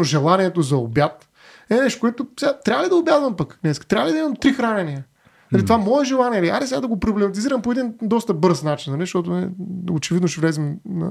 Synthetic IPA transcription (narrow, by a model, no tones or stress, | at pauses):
oʒɛlˠaniɛt̪ozɐo̰bjat̪ | ɛnɛʃt̪o̥koɛt̪ʊsʲat̪ɾavəlid̪ɐobʲjad̪vɐmpəknɛskit̪ɾavəlid̪ɐimɐmt̪ɾixɾanɛniə | nɐlit̪ovamɔɛʒɛlˠaniɛlia̰ɛsɛad̪ɐɡopɾoblɛmɐt̪̬iziɾɐmpoɛd̪ind̪ɔst̪əbɤɾsnat͡ʃi̥nnɐlʲizʃt̪ɔt̪̬ʊnɛ̰ot͡ʃɛvid̪noʃɛvlɛzimnɐ̰